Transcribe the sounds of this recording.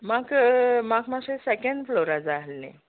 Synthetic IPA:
maɡmakmaɕesekəɳɖfloɾad͡zalnḛ̃

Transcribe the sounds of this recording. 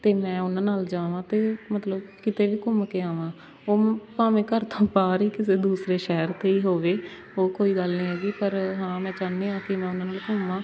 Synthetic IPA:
t̪eːmɛ̃ːʊnãːnaːld͡ʒaːʋãːt̪eːmət̪ləbkɪt̪eːʋiːkʊmkeːaːʋãː | oːpaːmẽːkəɾt̪ʰãːpaːɾiːkɪs̬eːd̪uːsɾeːʃɛɦəɾt̪eːiːɦoːʋeː | oːkoːiːɡəlnĩːɦɛːɡiːpəɾɦãːmɛ̃ːt͡ʃaːnːeːãːkɪmɛ̃ːʊnãːnaːlkʊmãː

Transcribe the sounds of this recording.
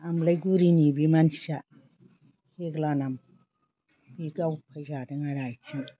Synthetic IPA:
amlajɡuɾinibimansa | heɡlanam | biɡawpʰajzadeŋaɾajt͡ʃʰin

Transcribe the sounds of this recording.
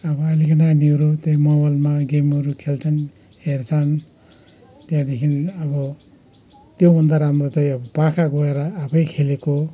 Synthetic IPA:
ʌbʌalikʌnaniwɾot̪ʌjmʌbʌlmaɡemʌɾukʰelt͡sʰʌn | hert͡sʰʌn | t̪jãd̪ekʰinʌbʌ | t̪joɦund̪aɾamrot͡sʌj̃ʌbʌpakʰaɡʌeɾʌːpʰʌjkʰeleko

